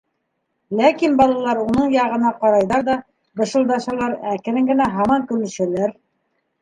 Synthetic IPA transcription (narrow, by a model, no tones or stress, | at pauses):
lækinbɑlˠɑlˠɑɾunɤɴjɑʁɤ̆nɑqɑɾɑjðɑɾðɑ | bɤ̆ʃɤ̆lˠd̪ɑʃɑlˠɑɾækɘ̆ɾɘŋɡɘ̆næɦɑmɑŋkɵ̆ɾlɘ̆ʃælæɾ